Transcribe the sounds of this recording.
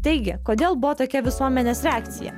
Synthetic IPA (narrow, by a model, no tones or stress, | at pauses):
t̪ɐɪɡʲɪkoːd̪ʲeːlˠbʊʋɔt̪oːkʲɛʋʲɪsuɔmʲɛnʲeːsɾʲɛaːk̚t̪sʲɪ̰jɛ̰